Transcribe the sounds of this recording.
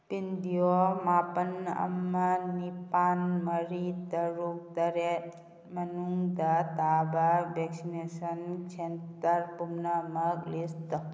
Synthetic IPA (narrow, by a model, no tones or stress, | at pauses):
pind̪ijomapənə̰mːənipanməɾit̪əɾuk̚t̪əɾet̪ | mənuŋɡd̪ad̪abaʋeksinesənkt͡ʃʰent̪əɾpumnəməɡlist̪ə